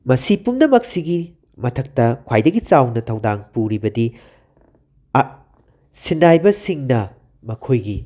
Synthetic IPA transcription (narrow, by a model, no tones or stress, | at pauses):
mɐsipumnɐmɐksiɡi | mɐtʰɐk̚tɐkʰwajdɐɡit͡ʃawnɐtʰɐwdaŋpuɾibɐdi | sinːajbɐsiŋnɐ | mɐkʰojɡi